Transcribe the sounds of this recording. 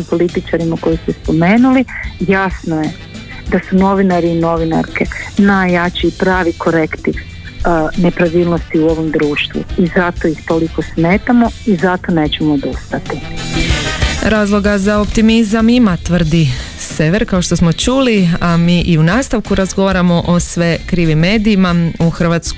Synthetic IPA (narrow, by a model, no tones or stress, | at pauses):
impo̞lit̪it͡ʃaɾimako̞jist̪ɛspo̞meːnulijasnoje | d̪asuno̞ʋinaɾiːno̞ʋina̰ɾkenajat͡ʃiipɾaːʋikʰo̞ɾekt̪iʋ | ne̞pɾaʋiːlˠnost̪iuo̞ʋo̞md̪ɾuːʃt̪ʋṵizat̪ojixt̪o̞liko̞sme̞ːt̪amo̞izat̪o̞ne̞ːt͡ɕemood̪ust̪at̪i | ɾaːzlˠo̞ɡazaopt̪imizamimat̪ʋr̩d̪i | se̞ʋe̞ɾkao̞ʃt̪o̞smo̞t͡ʃuːliamiːʔiunaːst̪aʋkuɾazɡo̞ʋaɾamo̞ʔosʋe̞kɾiːʋimːe̞ːd̪iːmauxr̩ʋaːt̪sk